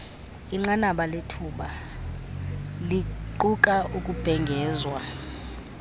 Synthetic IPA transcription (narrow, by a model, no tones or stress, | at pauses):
iŋ͡ǃanaɓaletʰuːɓa | liǃukʼaʔukʼub̥ʱɛŋɡʱɛːzwa